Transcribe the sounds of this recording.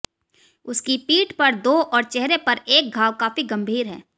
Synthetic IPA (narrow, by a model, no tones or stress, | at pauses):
ʊskipiːʈpɐɾd̪oːʔɔːɾt͡ʃɛɦɾepɐɾeːk̚ɡʱaːwkaːfiɡɐ̃mbʱiːɾɦɛ̰ː